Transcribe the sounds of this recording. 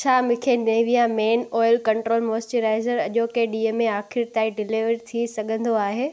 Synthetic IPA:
t͡ɕʰaːmɪ̃kʰeneːʋijameːnɔːjəlkɐ̃ɳʈɾoːlmoːsʈiɾaːɪzəɾɐʄokeɗiːəmẽaːxɪɾt̪aːĩɖɪliʋəɾit̪ʰisɐɠʱə̃nd̪oaːɦeː

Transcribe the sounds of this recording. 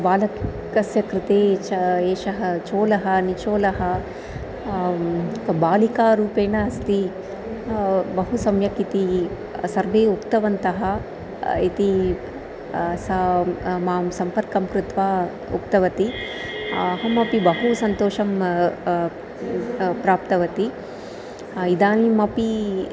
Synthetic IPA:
baːlɐk | ɐsjɐkɾɪt̪eːt͡ʃɐeːʃɐɦɐt͡ʃoːlɐɦɐnit͡ʃoːlɐɦɐ | baːlikaːɾuːpeːɳɐɐst̪i | bɐɦusɐmjɐkit̪i | sɐɾʋeːukt̪ɐʋɐnt̪ɐɦɐ | it̪i | sɐmaːmsɐmpɐɾkɐmkɾɪt̪ʋaː | ṵk̚t̪ɐʋɐt̪i | ɐɦɐmɐpibɐɦusɐnt̪oːʃɐm | pɾaːp̚t̪ɐʋɐt̪i | id̪aːnlimɐpi

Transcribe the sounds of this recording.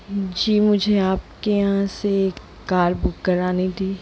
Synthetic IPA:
d͡ʒiːmʊd͡ʒʱeaːp̚kejɐɦãsek | kaːɾbʊkːɐɾaːnid̪iː

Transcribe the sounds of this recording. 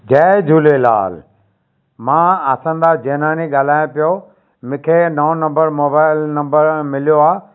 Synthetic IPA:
d͡ʑɛːd͡ʑʱuːlela̰ːl | mãːɐsə̃nd̪ad͡ʑeːnãːniɠaːl̤aːjõpijo | mɪ̃ːkʰenɐõnɐ̃mbəɾmoːbaːɪlnɐ̃mbəɾmɪlijoaː

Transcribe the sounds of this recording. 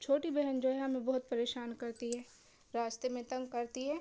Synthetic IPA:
t͡ʃʰoːʈibɛɦənd͡ʒoːɦɛ̃ɦɐmẽbɐɦʊt̪̚pɐɾeːʃaːnkɐɾt̪iɦɛː | ɾaːst̪emẽt̪ɐ̃ŋɡkɐɾt̪iɦɛː

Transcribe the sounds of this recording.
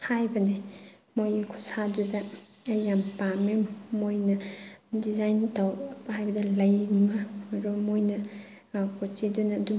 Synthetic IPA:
hajbɐne | mojɐkʰu̥sadudɐː | jampamemojnɐdizajntawbhajbɐdɐlɐjŋimɐɾomojnɐ | kʰotidunɐːdu

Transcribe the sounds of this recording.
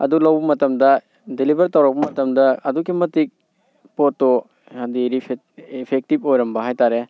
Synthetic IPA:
ɐ̰dulɐwbɐmɐtɐmdɐ | delibɐɾtɐwɾak̚bɐmɐtɐmdɐɐdukimɐtik̚ | pɔtːɔ | adiɾipʰe | ipʰek̚tipojɾɐmbɐɦajtaɾe

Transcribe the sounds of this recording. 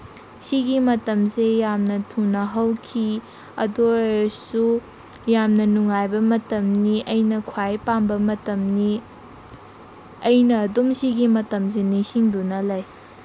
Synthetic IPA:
siɡimɐtɐmsejamnɐtʰunɐɦɐwkʰi | ɐ̰doɾsu | jamnɐnuŋajbɐmɐtɐmniʔɐjnɐkʰwajpambɐmɐtɐmni | ɐjnɐːdumsiɡimɐtɐms̬enisiŋdunɐlɐj

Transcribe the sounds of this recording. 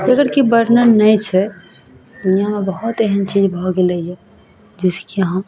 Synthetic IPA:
d͡ʒəɡəɽkibəɽnənəjt͡ʃʰɛ | d̪unijamebəɦut̪eɦənt͡ʃid͡ʒbʱɔɡeleiɛ | d͡ʒiskiəɦã

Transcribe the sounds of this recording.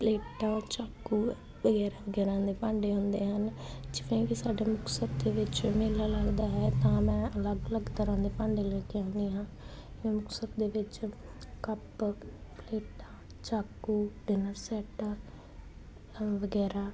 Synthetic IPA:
pleːʈaːt͡ʃaːkːuː | ʋəɡɛːɾaːʋəɡɛːɾãːd̪eːpãːɳɖeːɦʊ̃nd̪eːɦənd͡ʒɪʋẽːkisaːɖeːmʊksət̪̚d̪eːʋɪt͡ʃmeːlaːləɡd̪aːɦɛːt̪ãːmɛ̃ːʔələɡələɡt̪əɾãːd̪eːpãːɳɖeːləːkeãːniːɦãː | jõːmʊksət̪̚d̪eːʋɪt͡ʃ | kəppleːʈaː | t͡ʃaːkːuːɖɪnəɾsɛːʈ | ʋəɡɛːɾaː

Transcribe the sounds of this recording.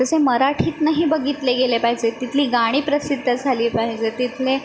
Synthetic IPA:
t̪əseməɾaʈʰiːt̪naɦiːbəɡit̪leɡelepaɦid͡ʑet̪it̪ʰliːɡaɽ̃iːpɾəsid̪ʱːəd͡zʱaliːpaɦid͡ʑet̪it̪ʰle

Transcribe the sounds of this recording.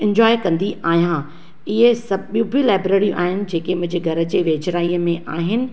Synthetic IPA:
ɪ̃ɲd͡ʑɔːekɐ̃nd̪iʔaːɦijã | ɪɦesɐɓijũbʱilaːɪbɾeːɾijũʔa̰ːɦɪnɪ̆d͡ʑeːkemʊ̃ɪ̃ɲd͡ʑeɡʱɐɾə̆d͡ʑeːʋeːd͡ʑɾaːiːəmẽʔaːɦɪnɪ̆

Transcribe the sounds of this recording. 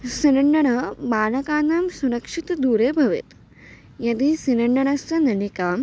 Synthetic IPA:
sinɐɳɖɐɳɐmaːnɐkaːnaːmsuɾɐkʂit̪d̪uːɾeːbʱɐʋḛt̪ | jɐd̪iːsinɐɳɖɐɳɐst̪ɐnɐnikaːm

